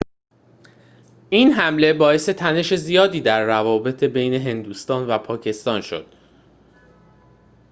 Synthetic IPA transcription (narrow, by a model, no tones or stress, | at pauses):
ʔiːnɦæmle̞bɒːe̞se̞t̪ʰæne̞ʃe̞zijɒːd̪iːd̪æɾːævɒːbe̞t̪ʰe̞be̞jne̞ɦe̞nd̪uːst̪ɒːnvæpʰɒːcʰe̞st̪ɒːnʃo̞̰d̪̥